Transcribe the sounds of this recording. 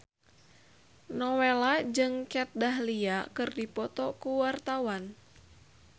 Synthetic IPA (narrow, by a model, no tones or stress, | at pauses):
nɔwelad͡ʒɨŋkɛt̪̚daɦliakɨrdipɔt̪ɔkuwart̪awan